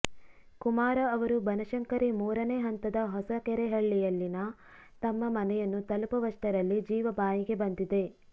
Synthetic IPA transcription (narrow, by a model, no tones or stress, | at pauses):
kumaːɾɐɐʋɐɾubɐnɐʃɐŋkɐɾimuːɾɐneɦɐnt̪ɐd̪ɐɦɔsɐkɛɾeɦɐɭːijɐlːinɐ | t̪ɐmːɐmɐnɛjɐnːut̪ɐlupɐʋɐʂʈɐɾɐlːid͡ʒiːʋɐbaːjiɡe̞bɐnd̪id̪e̞